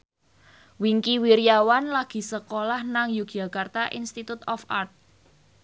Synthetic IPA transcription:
wiŋkiwiɾiawanlaɡ̥i̤səkolahnaŋjuɡ̥ʒ̥a̤kart̪aʔḭnst̪it̪ut̪ɔfart̪̚

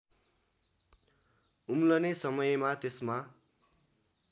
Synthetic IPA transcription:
umlʌnesʌmʌjmat̪esma

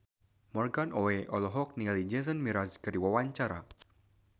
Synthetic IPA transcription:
mɔrɡanoeʔɔlɔɦɔk̚nialid͡ʒɛsənmiɾaskəriwawaɲt͡ʃaɾa̰

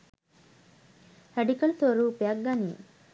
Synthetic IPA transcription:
hæɖikɐlt̪oɾuːpeɐɡːɐnḭː

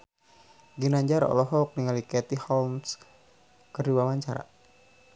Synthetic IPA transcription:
ɡinaɲd͡ʒaɾɔ̰lɔɦɔk̚niŋalikɛt̪ihɔlms | kəriwawaɲt͡ʃaɾa̰

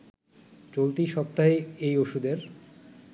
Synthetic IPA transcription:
t͡ɕolt̪iʃɔp̚t̪aɦeejoʃud̪eɾ

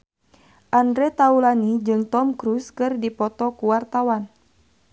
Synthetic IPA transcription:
ʔandɾɛt̪aulanid͡ʒɨŋt̪ɔmkɾuskɨrdipɔt̪ɔkuwart̪awan

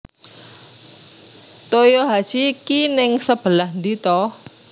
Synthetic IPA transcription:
t̪ojoɦḁsikinɪŋsəb̥ə̤lahnd̪it̪ɔ

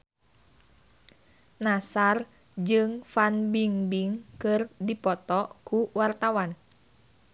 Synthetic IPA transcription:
nasar | d͡ʒɨŋfanbiŋbiŋkɨrdipɔt̪ɔkuwart̪awan

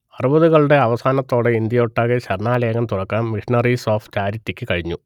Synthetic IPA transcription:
ɐrubɐðuɣɐɭuɽe̞ɐʋɐsaːnɐt̪ːo̞ːɽeind̪jɐoʈːaːɣeɕɐrɳaːleːɐɣɐmt̪urɐkːaːnmiʂiɳɐrisoːft͡ɕaːɾitːikʲːɨkɐɻiɲːu

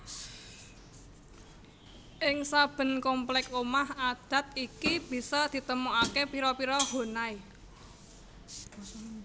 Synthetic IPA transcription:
ʔɪŋsab̥ə̤nkɔmplɛkomahad̪̥ä̤t̪̚ikib̥i̤sɔd̪̥i̤t̪əmuakepiɾɔpiɾɔɦo̤nai

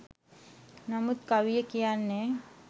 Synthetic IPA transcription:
namut̪̚kaʋijəkijanːe

